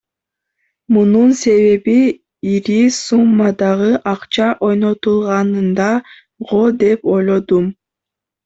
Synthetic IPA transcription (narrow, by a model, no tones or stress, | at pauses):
mununse̞βe̞βi | iɾisumːɑd̪ɑʁɯʔɑqt͡ʃɑʔo̞jno̞t̪ulˠʁɑnɯnd̪ɑ | ʁo̞lˠd̪e̞po̞jlˠo̞d̪um